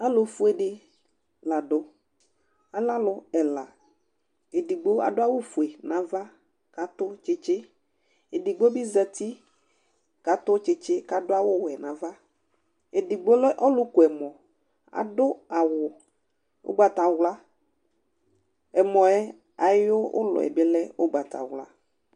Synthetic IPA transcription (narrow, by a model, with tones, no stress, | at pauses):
a˦lʊ˨fu˦e˨ɖɪ˦ | la˨ɖʊ˨ | a˨la˦lʊ˨ɛ˨la˨ | e˨di˨ɡ͡bo˦a̰˨dʊ˦a˦wʊ˦fu˨e˨nã˨va˦ | ka˨t̪ʊ˦t͡ʃɪ˦t͡ʃɪ˦ | e˨di˨ɡ͡bo˦bi˦zɛ˨t̪i˦ | ka˨t̪ʊ˦t͡ʃɪ˦t͡ʃe˦ka˨dʊ˦a˦wʊ˦wɛ˨nã˨va˦ | e˨di˨ɡ͡bo˦lɛ˦ʔɔ˦lʊ˦ku˨ɛ˨mɔ̃˨ | a̰˨dʊ˦a˨wʊ˨ | o̰˦ɡ͡ba˨t̪a˨wla˦ | ɛ˨mɔ̃˨ɛ˦ | a˨˦o˦ʊ̰˦lʊ̰˨ɛ̰˨bɪ˦lɛ˦o˦ɡ͡ba˨t̪a̰˨wla̰˦